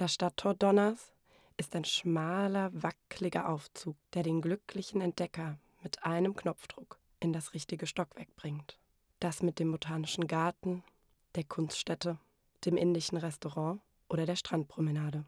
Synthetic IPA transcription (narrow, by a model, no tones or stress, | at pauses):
d̥asʃtatʰːɔːɐdɔnɐs | ʔɪstaɪnʃmaːlɐvakʰlɪɡɐ̰ʔaʊft͡suːk̚d̥eːɐɾeːnɡlʏklɪçn̩ɛnt̚d̥ɛkɐ | mɪtʔaɪnəmknɔpp͡fd̥ʁʊk | ʔɪndasʁɪçtɪɡəʃtɔkv̥ɛɐk̚b̥ʁɪŋt | d̥asmɪt̚d̥eːmbotʰaːnɪʃn̩ɡaɐtn̩ | d̥eːɐkʰʊnstʃtɛtə | d̥eːmʔɪndɪʃn̩ʁɛstoʁɑ̃ː | ʔoːɾɐɾeːɐʃtʁ̥ant̚pʁ̥omənaːdə